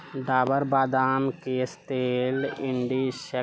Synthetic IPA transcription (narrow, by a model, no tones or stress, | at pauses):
d̪aːbəɾbaːd̪aːmkest̪eːlɪɳɖiːʃə